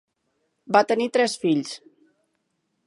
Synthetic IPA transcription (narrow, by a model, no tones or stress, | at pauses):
bat̪ənit̪ɾɛsfiʎs